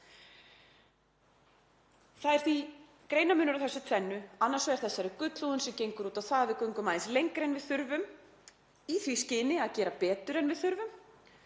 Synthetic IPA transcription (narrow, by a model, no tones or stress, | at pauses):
θaðɛɾ̥θi | kɾeːjnamʏːnʏɾawθɛsːʏt̪ʰvɛnːʏanːaɾsɔɛɾ̥θɛsːaɾɪkʏt̪luʏnsɛmcejŋkʏɾuːt̪aθaðvɪðkœɥŋkʏmaːðɪnslejŋkɾejnvɪðθʏɾvʏm | iθviscɪnɪaðcɛːɾapɛːt̪ʏɾɛnvɪðθʏɾvʏm